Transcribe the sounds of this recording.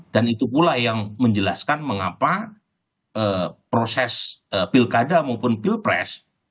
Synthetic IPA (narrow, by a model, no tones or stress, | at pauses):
d̥anit̪upulajaŋməɲd͡ʒəlaskanməŋapa | ʔəpɾosɛsəpilkadamaupʊnpilpɾɛ̰s